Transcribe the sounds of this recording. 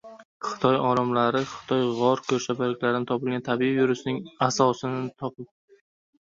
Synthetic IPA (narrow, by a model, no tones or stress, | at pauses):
χɨ̥t̪ʰɒjɒɾamlaɾɪχɨ̥t̪ʰɒjʁɒɾkʲʰɵɾʃapalɪkʲlaɾɪnɪt̪ʰɒpɪlˠɡʲant̪ʰabiivɪɾʊsɪnɪŋasɒsɪnɪt̪ʰɒpɪp̚